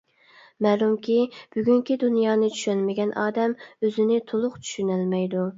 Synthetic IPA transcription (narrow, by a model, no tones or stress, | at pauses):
mɛːlˠumkʲib̥yɡʲyŋkʲid̪unjɑːnɨt͡ʃʰy̥ʃɛnmɪɡʲɛnʔɑːd̪ɛmøzɪnɪt̪ʰolˠʊqt͡ʃʰy̥ʃynælmɛjd̪u